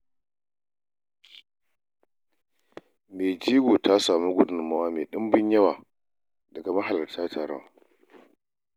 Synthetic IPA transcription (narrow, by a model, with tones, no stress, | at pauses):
meː˨d͡ʒiː˦ɡʷoː˨tʰa˦saː˨mu˦ɡʷʊ˦dʊ˨mːa˦waː˦meː˨ɗɪ˦mbɪ˦ɲjɐ˦waː˨ | dɐ˨ɡa˨mɐ˦ɦa˨lɐ˨rtaː˦tʰaː˨ɾɔ̰˦